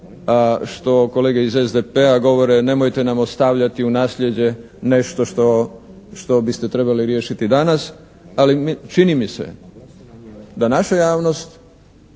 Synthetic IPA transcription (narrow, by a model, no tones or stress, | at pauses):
aʃt̪o̞ko̞leɡeizezd̪epeaɡo̞ʋo̞ɾene̞mojt̪e̞namost̪aʋʎat̪iunaːslʎe̞d͡ʑe̞ | ne̞ʃt̪o̞ʃt̪o | ʃt̪o̞bist̪et̪ɾe̞baliɾje̞ːʃit̪id̪anas | alimt͡ʃinimisḛ | d̪anaʃajaːʋno̞st̪